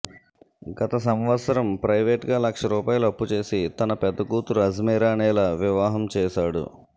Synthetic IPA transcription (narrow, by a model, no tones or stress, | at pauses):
ɡɐt̪ɐs̬ɐmʋɐt̪sɐɾɐmpɾɐjʋeːʈɡaːlɐkʂɐɾuːpaːjuluɐpːut͡ʃe̞ːsit̪ɐnɐpɛd̪ːɐɡuːt̪uɾuɐzmɛːɾaːnɛːlɐʋiʋaːɦɐmt͡ʃɛːʃaːɽṵ